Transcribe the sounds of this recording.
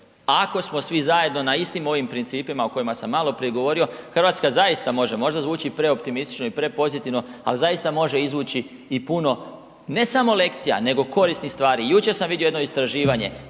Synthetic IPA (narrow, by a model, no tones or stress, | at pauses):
ako̞smo̞sʋizaje̞d̪no̞naist̪imo̞ʋimpɾint̪siːpimaoko̞imasamːaːlo̞pɾijeɡo̞ʋo̞ɾio̞xrʋaːt̪skazajist̪amo̞ʒe̞mo̞ʒd̪azʋuːt͡ʃipɾe̞o̞pt̪imist̪i̥t͡ʃno̞ipɾe̞po̞zit̪iʋno̞a̰lizajist̪amo̞ʒe̞izʋuːt͡ɕi | ipuno̞ | ne̞samo̞le̞kt̪sija̰ne̞ɡo̞ko̞ɾisnixst̪ʋaːɾijut͡ʃe̞ɾsamʋid̪jioed̪noist̪ɾaʒiːʋaɲe̞